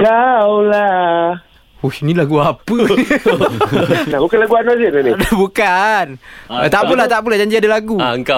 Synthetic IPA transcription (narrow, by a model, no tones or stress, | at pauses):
kawla | osinilaɡuapə | nahbukanlaɡuanad͡ʒənanidabukant̪aʔpulaht̪aʔp̬ulad͡ʒaɲd͡ʒiadalaɡuaŋka